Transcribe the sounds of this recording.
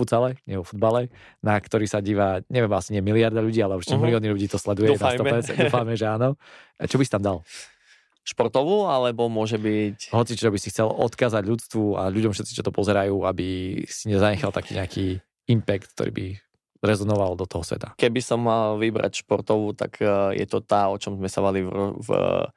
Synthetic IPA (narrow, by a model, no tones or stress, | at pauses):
fut̪t͡salɛɲɪɛʋɔfud̪balɛ | nakt̪ɔɾiːsaɟiːʋaɲɛʋɛmasiɲɪɛmiliaɾd̪aʎuɟiːalɛuʃt̪ɛmiliɔːnilʎuɟiːt̪ɔslɛd̪ujɛnasɔɛɛd̪uːfamɛʒɛaːnɔt͡ʃɔbisit̪amd̪al | ʃpɔɾt̪ɔʋuːalɛbɔmʊɔʒɛbicɦɔt͡sit͡ʃɔbisixt͡sɛlɔ̰t̪kaːzaɟʎut͡st̪ʋua̰ʎuɟɔmfʃɛt̪t͡sit͡ʃɔt̪ɔpɔzɛɾajuːabisiɲɛzaɲɛxalˠt̪akiːɲɛakiː | impɛkt̪̚k̚t̪ɔ̰ɾḭːbi | ɾɛzɔnɔʋald̪ɔt̪ɔɦɔsʋɛ̰t̪ḁkɛbisɔmalʋibɾa̰cʃpɔɾt̪ɔʋuːt̪a̰kjɛ̰t̪ɔt̪aːɔt͡ʃɔmzmɛsaʋaliv